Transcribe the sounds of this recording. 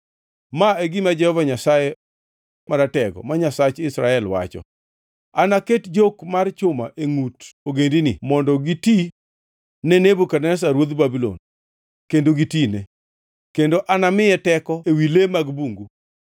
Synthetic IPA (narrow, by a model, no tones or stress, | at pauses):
maeɡimad͡ʒɛhɔvaɲasaje | maɾatɛɡɔ̰maɲasat͡ʃɪsɾaɛlwa̰t͡ʃɔ̰ | anaketd͡ʒokmart͡ʃʊmaʔeŋutoɡendinɪmɔndɔɡiti | nɛnebukanɛs̬aɾwod̪babilo̰n | kendoɡitine | kendoʔanamɪjɛtɛkɔewilemaɡbuŋɡu